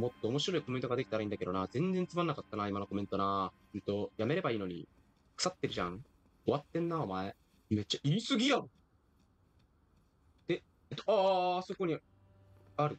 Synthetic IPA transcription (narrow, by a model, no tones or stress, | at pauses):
mo̞t̪ːo̞ːmo̞ɕiɾo̞iko̞ment̪oɡad̪ekʲi̥t̪aɾaĩnd̪akeonazẽ̞nd͡zẽ̞nt͡sɨmanːakat̪ːanaːimanoko̞mẽ̞nt̪o̞na | ɯ̃nt̪o̞jame̞ɾe̞baiːno̞ɲ̟ḭ | kɯ̥sat̪ːeɾɯ̟ʑã̰ŋ | o̞βat̪ːẽ̞nːao̞mae | me̞t͡ɕaʔiɾʲisɨɡʲija | d̪̥e̞ | et̪oaːso̞ko̞ɲ̟i | aɾɯ̟